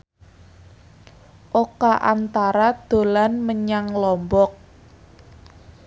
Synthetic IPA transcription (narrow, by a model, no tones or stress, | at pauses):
ʔokaʔant̪aɾad̪̥o̤lanməɲaŋlɔmbɔk̚